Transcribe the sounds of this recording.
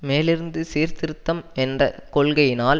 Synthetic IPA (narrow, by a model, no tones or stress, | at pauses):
meːlɪɾɯnd̪ɯsiːɾt̪ɪɾɯt̪ːɐmɛndrɐkɔɭɣɐjɪnaːl